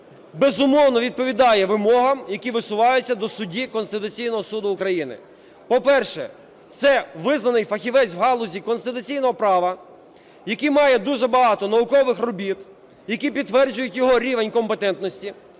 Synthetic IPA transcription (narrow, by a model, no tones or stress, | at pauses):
bezʊmɔwnɔʋʲid̪̚pɔʋʲid̪ɑjɛʋɪmɔɦɐmjɐkʲiʋɪsʊʋɑjʊt͡sʲːɐd̪ɔsʊdʲikɔnst̪ɪt̪ʊt͡sʲijnɔɦɔsud̪ʊːkɾɐjinɪ̰ | pɔpɛrʃɛ̰ | t̪sɛʋɪznɐnɪjfɐxʲiʋɛt͡sʲwɦɑlˠʊzʲikɔnst̪ɪt̪ʊt͡sʲijnɔɦɔpɾɑʋɐ | jɐkimɑjɛd̪uʒɛbɐɦɑt̪ɔnɐʊkɔʋɪxrɔbʲit̪ | jɐkʲipʲit̪t̪ːʋɛrd͡ʒʊjʊtʲjɔɦɔɾʲiʋenʲkɔmpet̪ɛnt̪nɔsʲtʲi